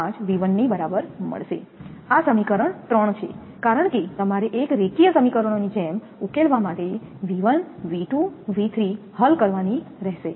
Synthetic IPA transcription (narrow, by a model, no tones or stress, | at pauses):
ad͡ʒʋiʋənːibəɾabəɾmə̰ɭʃḛasəmikəɾəɳt̪ɾəɳ̃t͡ʃʰḛ | kaɾəɳket̪əmaɾeʔekɾekijəsəmikəɾəɳ̃onid͡ʒɛm | ukelʋamaʈeʋiʋənʋiʈũʋit̪ʰɾi | həlkəɾʋaniɾɛɦʃe